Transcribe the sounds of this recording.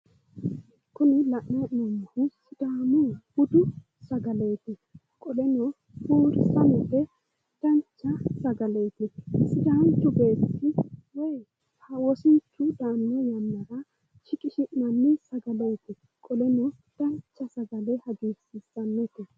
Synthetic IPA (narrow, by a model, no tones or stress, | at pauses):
kʊnɪlɐʔnɐnɔmhʊsɪd̪̥aːmʊhʊd̪ʊ | sɐɡɐle̞ːt̪ɪ | kʼɔlɛnɔ | huːɾsɐnɛlɛ | d̪̥ɐnt͡ʃːɐsɐɡɐle̞ːt̪ɪsɪd̪aːnt̪ʊbeːt̪ːɪwɛj | hɐwɔsɪnt͡ʃːʊd̪aːnːɛjɐnːɐɾɐ | t͡ʃɪkʼɪʃɪʔnɐnːɪsɐɡɐleːt̪ɪ | kʼɔlɛnɔ | d̪̥ɐnt͡ʃːɐsɐɡɐlɛhɐɡiːsɪsɐnːɛt̪ɛ